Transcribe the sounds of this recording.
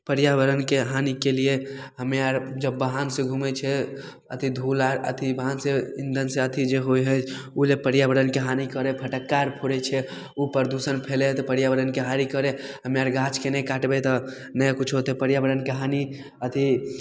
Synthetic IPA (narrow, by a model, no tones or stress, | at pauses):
pəɾjabəɾənkeɦanikelieɦəmjaɾd͡ʒəbːəɦansẽɡʱumɛt͡ʃʰɛ | ə̰t̪ʰid̪ʱulaɾə̰t̪ʰibəɦanseind̪ʱənsẽət̪ʰid͡ʒeɦojɦə | ulepəɾjabəɾənkeɦanikəɾɛpʰəʈəkːaɾpʰoɽɛt͡ʃʰɛ | upəɾd̪usənpʰelet̪ɔpəɾjabəɾənkeɦaɾikəɾɛɦəmjaɾɡãt͡ʃkenɛkaʈbet̪ɔ | nəjkut͡ʃʰɦot̪ɛpəɾjabəɽənkeɦani | ət̪ʰi